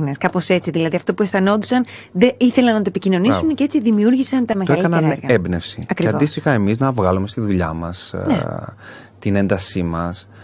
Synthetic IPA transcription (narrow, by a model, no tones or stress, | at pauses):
neskɐpo̞se̞t͡siðilɐðiɐft̪o̞puesθɐnot̪i̥sɐn | ðeiθe̞lɐnːɐt̪oepicino̞nisunece̞t͡siðimiuɾʝisɐnt̪ɐmetoɐelɐnɐnɾɣɐebnefsiɐkɾieɐnvoist̪ixɐemiznɐvɣɐlume̞st̪iðuʎɐ̰mɐsn | t̪ine̞nd̪ɐsimɐs